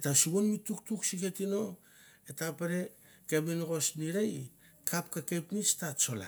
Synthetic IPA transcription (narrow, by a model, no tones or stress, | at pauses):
etasuβonmituk̚tuksiketino̞ | etapeɾe̞ | ke̞minɡo̞sniɾej | kʰap̚kake̞pnistat͡ʃo̞la̰